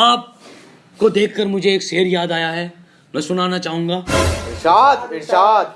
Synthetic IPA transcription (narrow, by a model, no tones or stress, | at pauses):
aːp̚ | kod̪eːkʰkəɾmʊd͡ʒʱeeːkseːɾjaːd̪aːjaɦɛː | mɛ̃ːsʊnaːnat͡ʃaːɦũːŋɡaːʃaːd̪ʃaːd̪̚